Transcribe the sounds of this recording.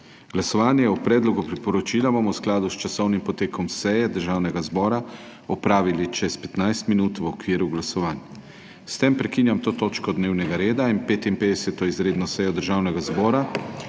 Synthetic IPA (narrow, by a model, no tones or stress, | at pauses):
ɡ̥lasɔʋaːnjɛupɾɛːd̪lɔɡupɾipɔɾɔt͡ʃiːlabomɔwsklaːd̪ust͡ʃasɔwnimpɔt̪eːkʰɔmsɛjɛd̪əɾʒaːwnɛɡazbɔːɾa | ɔpɾaːʋilit͡ʃɛspɛt̪najst̪minuːt̪ʋɔkʋiːɾuɡlasɔʋaːnj | st̪empɾɛkinjamt̪oːt̪oːt͡ʃkɔd̪neːwnɛɡaɾeːd̪ainpeːt̪inpeːd̪ɛsɛt̪ɔizɾeːd̪nɔsɛjɔd̪əɾʒaːwnɛɡazbɔːɾa